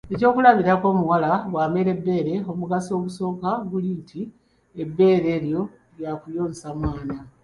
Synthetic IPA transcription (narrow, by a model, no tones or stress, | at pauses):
e̞co̞ːkulaβiɾako̞ːmuwalaβwaːmeɾe̞bːe̞ːɾe̞o̞muɡaso̞ːβuso̞ːkaɡulintʰi | ebːe̞ːɾe̞ːɾjo̞ | ljakujo̞ːnsamwaːna